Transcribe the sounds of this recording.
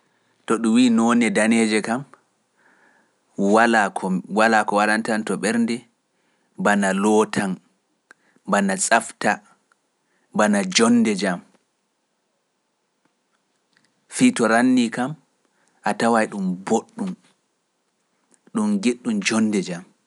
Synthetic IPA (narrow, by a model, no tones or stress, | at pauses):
tɔɗumwiːnɔnɛdaned͡ʒɛkam | walakʰɔwalakɔwaɾantantɔɓɛɾndɛ | banalɔtʰan | banasʼafta | banad͡ʒɔnːdɛd͡ʒam | fitɔɾanːikam | ʔatawajɗumboɗːum | ɗumɡeɗːumd͡ʒɔnːdɛd͡ʒam